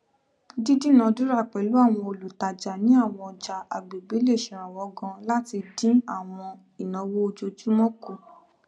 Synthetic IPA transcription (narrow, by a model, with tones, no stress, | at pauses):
di˦di˦˨nã˨˧du˦ɾa˦˨k͡pɛ˨lu˨˦a˦˨w̃ɔ̃˧o˧lu˨ta˨d͡ʒa˨nĩ˨˦a˦˨w̃ɔ̃˧ɔ˧˨d͡ʒa˨a˨ɡ͡be˨ɡ͡be˨˦le˦˨ʃĩ˨ɾ̃ã˨wɔ˨˦ɡɔ̃˧la˦ti˧dĩ˦a˦˨w̃ɔ̃˧ | i˨nã˨˦wo˦o˧d͡ʒo˧d͡ʒu˦mɔ̃˦ku˦˨